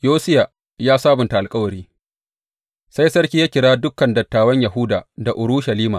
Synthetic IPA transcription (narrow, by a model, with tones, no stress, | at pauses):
joː˦sɪ˦ja˨ | jaː˦saː˦bʊ˨nta˨ʔa˨lkʼɐ˦wɐ˨ɾiː˦ | sa˦jsɐ˦ɽkʲiː˦jaː˦kʲɪ˨ɽaː˦dʊ˦kːɐ˨ndɐ˨tːaː˨wɐ˦ɲja˨ɦʊ˦daː˨da˨ʔʊ˨ɽʊ˦ʃɐ˨liː˦maː˨